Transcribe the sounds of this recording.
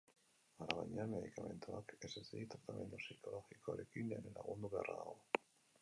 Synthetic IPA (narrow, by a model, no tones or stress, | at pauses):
aɾaβaɲeame̞ðikame̞̰nt̪uakesesiit̪ɾat̪ame̞̰nd̪usiko̞lo̞xikoaɾe̞kinːeɾelaɣ̞und̪uβea̰ra̰a̰o